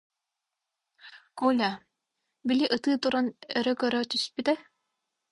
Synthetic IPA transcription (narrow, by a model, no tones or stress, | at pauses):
kulʲa | bilʲiʔɯt̪ɯːt̪uɾanœɾœkœɾœt̪yspit̪ɛ